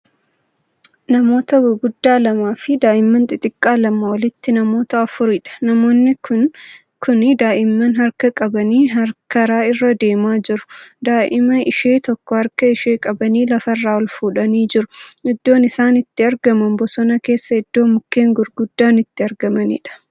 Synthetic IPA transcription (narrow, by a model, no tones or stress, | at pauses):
nɐmo̞ːt̪ɐwɡʊd̪ːaːlɐmaːfɪd̪aːʔɪmːɐnt̪ʼɪt̪ʼɪkʼːaːlɐmɐwɐlɪt̪ːɪnɐmo̞ːt̪ɐɐfʊɾɪᶑɐ̥nɐmo̞ːnːɪkʊn | kʰʊnɪd̪aːʔɪmːɐnɦɐɾkɐkʼɐbɐniːɦɐɾkɐɾaːɪrːɐd̪e̞ːmaːd͡ʒɪɾʊ̥d̪aːʔɪmɐɪʃe̞ːt̪ɔkːɔhɐɾkɐɪʃe̞ːkʼɐbɐniːlɐfɐrːaːɔlfuːᶑɐniːd͡ʒɪɾʊɪd̪ːo̞ːnɪsaːnɪt̪ːɪɐɾɡɐmɐnbɔsɔnɐke̞ːsːɐɪd̪̥ːo̞ːmʊkːe̞ːŋɡʊɾɡʊd̪ːaːnɪt̪ːɪɐɾɡɐmɐnḭᶑɐ̥